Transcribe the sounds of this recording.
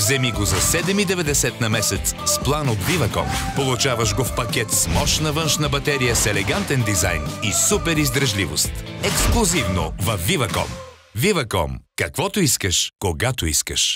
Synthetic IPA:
vzɛmiɡozɐsɛd̪ɛmid̪ɛvɛd̪ɛsɛt̪nɐmɛsɛt̪ssplˠanot̪vivɐkɔ̰mpolˠut͡ʃavɐʃɡofpɐkʲɛt̪smɔʃnɐvənʃnəbɐt̪ɛɾijəsɛlɛɡant̪ɛnd̪iza̰jnisupɛɾizd̪ɾɐʒlivost̪ɛksklˠʊzivno̰vɐfːivɐkɔ̰m | vivɐkɔ̰mkɐkvɔt̪oiskəʃkoɡat̪oiskəʃ

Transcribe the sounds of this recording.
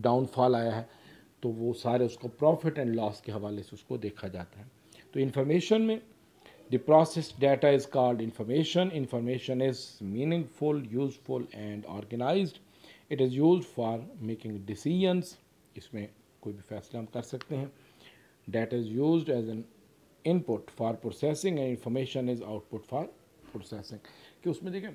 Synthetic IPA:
ɖãːʊ̃nfɔːlaːjaɦɛ | t̪oʋosaːɾeʊskopɾɔːfɪʈɛ̃ɳɖlɔːskeɦɐʋaːleseʊskod̪eːkʰad͡ʒa̰ːt̪aɦɛ | t̪oɪ̃nfɔːɾmeːʃənmẽ | d̪ipɾɔːsesɖeːʈaɪzkaːɾɖɪ̃nfɔːɾmeːʃə̃nɪ̃nfɔːɾmeːʃə̃nɪzmĩːnɪ̃ŋɡfʊljuːzfʊlɛ̃ɳɖɔ̰ːɾɡənaːɪzɖ | ɪʈɪzjuːzɖfɔːɾmeːkɪ̃ŋɡɖɪsiːd͡ʒə̃ns | ɪsmẽ | koːibʱifɛːslaɦɐmkɐɾsɐkt̪ẽɦɛ̃ | ɖeːʈaɪzjuːzɖɛzɛ̃n | ɪ̃npʊʈfɔːɾpɾoːsɛsɪ̃ŋɡɛ̃ɖɪ̃nfəːɾmeːʃə̃nɪzaʊʈ̚pʊʈfɔːɾ | pɾoːsɛsɪ̃ŋɡkeʊsmẽd̪ekʰẽ

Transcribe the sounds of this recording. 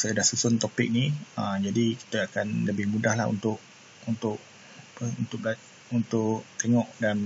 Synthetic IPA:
sadahsusʊnt̪opɪk̚niəmd͡ʒadiki̥t̪əakanləbɪhmudahla̰ṵnt̪ʊʔ̚ | unt̪ʊʔ | pəunt̪ʊʔ̚la | unt̪ʊʔt̪eŋɔʔdan

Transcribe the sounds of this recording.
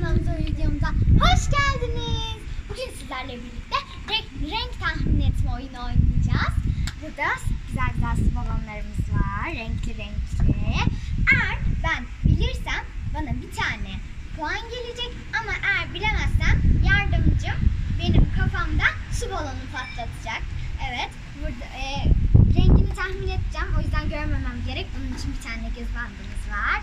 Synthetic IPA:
nanɯzøjlʲed̪ijomuzahoʃɟælʲd̪iniz̥buɟynsizlʲæɾlʲɛbiɾlʲic̚t̪ʰɛ | ɾɛcɾɛɲct̪ʰaxminɛt̪ʰmɛojuno̞jnad͡ʒaːz̥bud̪aoɟ̥yzælʲd̪asubolˠonlˠaɾɯmɯzvaɾːɛɲcʰlʲiɾɛɲcli | ɛjæɾbænbilʲiɾsæmbanabit̪ʰaːnɛ | buanɟe̞lʲed͡ʒɛc | amaʔɛejæɾbilʲe̞mæz̥sænjaɾd̪ɯmd͡ʒɯmbe̞nimkʰafamd̪asubalˠonupʰat̪lˠat̪ʰɯd͡ʒak̚ɛvɛt̪ | buɾd̪aɛɾɛɲɟinit̪ʰahmine̞d̪ʰid͡ʒæmo̞jyzd̪ænɟøɾme̞mæmɟe̞ɾɛc̚bonunit͡ʃʰinbit̪ʰaːnd̪ɛɟøzband̪ɯːmɯzvaɾ̥

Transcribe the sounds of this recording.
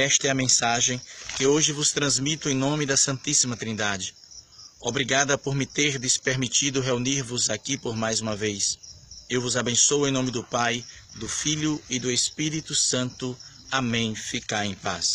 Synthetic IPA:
ɛʃt̪ɐɛɐmẽsaʒẽj̃kɪoʒɪvʊst̪ɾɐ̃zmit̪ʊẽj̃nõmɪd̪ɐsɐ̃nt̪isimɐt̪ɾĩnd̪ad͡ʒɪ | obɾiɡad̪ɐpoɾmɪt̪eɾd̪ɪspeɾmit͡ʃid̪ʊɦeuniɾvʊzakipoɾmajzũmɐvejsewvʊzabẽsoʊẽj̃nõmɪd̪ʊpaj | d̪ʊfiʎʊɪd̪ʊespiɾit̪ʊsɐ̃nt̪ʊ | amẽj̃fikaɾẽj̃pa̰s

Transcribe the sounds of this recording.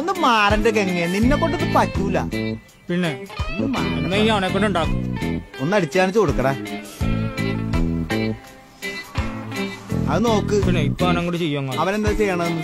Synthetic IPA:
onːɨmaːrɐndek̬eŋːeninːekːo̞ɳɖet̪ːɨpɐtːuilːɐ̰ | pinːeonːɨmaːɐnːeiɐʋɐnekːoɳɖuɳɖaːkːumonːɐɽit͡ɕːɐaːnit͡ɕːɨko̞ɽukːɐɽaː | ɐðɨno̞ːkːɨpinːeipːaːnɐŋːoɽt͡ɕejːʋɐŋːɐɭɐʋɐne̞nd̪aːt͡ɕejːɐɳɐðenːu

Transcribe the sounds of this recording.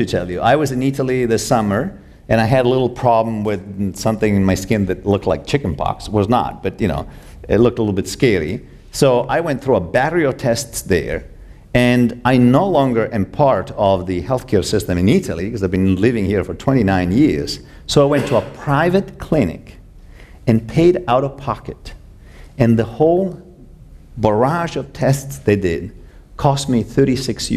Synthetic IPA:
ɨtʰɛlˠjɨʔaɪwʌzɨ̃niɾl̩ˠiðɪsʌmə˞ | ɨ̃ñaɪɨɾəlɪɾl̩ˠpʰɹ̥ɑblə̃mwɪð̥sʌ̃mθɪ̃ŋɨ̃nmaɪskɪ̃nðɨtˡlʊk̚tʰˡla̰ɪk̚t͡ʃʰɪkn̩pʰɑ̰kswʌznə̰t̚b̥ʌt̚jɨno̰ʊ | ɪ̰tˡlʊk̚təlɪɾl̩ˠbɪtskɛɹḭ | soʊʔaɪwɛ̃nθɹuəbæɾə˞iotʰɛstsðə̰˞ | ɨ̃naɪnoʊlɔ̃ŋɡə˞ʔɨ̃npʰɑɹɾʌvðɨhɛlˠθkʰɛɹsɪstɨ̃mɨ̃niɾl̩ˠḭkʰʌzaɪvbɨ̃nlɪvɪ̃ŋhiɹfə˞tʰw̥ɛ̃ɾ̃inãɪ̃njɪɹz̥ | soʊaɪwɛ̃ntʰəəpʰɹ̥aɪvɨt̚kʰl̥ɪ̃nɪ̰k | ɨ̃npʰeɪɾaʊɾəpʰɑkɨɾ | ɨ̃nðəhoʊlˠ | bə˞ɑʒʌv̥tʰɛstsðeɪdɪd̚ | kʰɔst̚miθɜ˞ɾisɪksj

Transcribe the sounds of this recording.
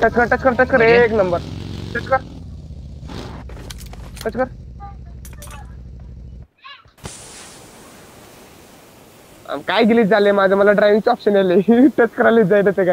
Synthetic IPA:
ʈet͡skəɾʈet͡skəɾʈet͡skəɾeknəmbəɾʈet͡ɕkəɾ | ʈət͡skəɾ | a̰mkajɡiliːd͡zalemad͡zʱəməlaɖɾajʋiŋt͡ɕɔpɕəneleʈet͡ɕkəɾajliːd͡zajnət̪eɡa

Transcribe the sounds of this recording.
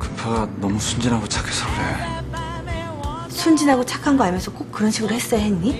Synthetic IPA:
kɯpʰaɡanʌmusʰund͡ʑinɦaɡot͡ɕʰḁkʰes͈ʰʌkɯɾḛjo | sʰund͡ʑinɦaɡot͡ɕʰakʰanɡoamjʌnsʰʌk͈ok̚k͈ːɯɾʌnɕʰiɡɯɾohes͈ʌjaɦenɲi

